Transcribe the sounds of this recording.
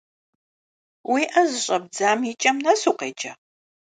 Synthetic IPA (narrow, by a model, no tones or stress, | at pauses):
wiːʔɐzɨɕʼɐbd͡zaːmit͡ʃʼɐmnɐsuːqeːt͡ʃʼɐ